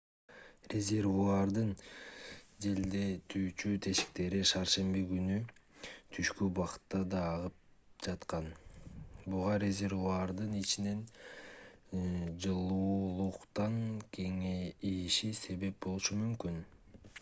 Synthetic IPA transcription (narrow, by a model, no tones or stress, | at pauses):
rʲezʲe̞rvuɑɾd̪ɯn | d͡ʒe̞ld̪e̞t̪ʰyːt͡ʃyt̪ʰe̞ʃi̥k̚t̪e̞ɾiʃɑɾʃe̞mbiɡynyt̪ʰyʃkybɑqɯ̥t̪ːɑd̪ɑːʁɯp̚ | d͡ʒɑt̪qɑn | buʁɑɾʲezʲe̞rvuɑɾd̪ɯnit͡ʃine̞n | d͡ʒɯlˠuːlˠuqt̪ɑŋkʰe̞ŋeiʃise̞βe̞p̚bo̞lˠuʃumymkyn